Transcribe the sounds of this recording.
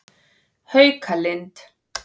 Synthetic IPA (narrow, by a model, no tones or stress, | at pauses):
hœjkʰalɛnt̪ʰ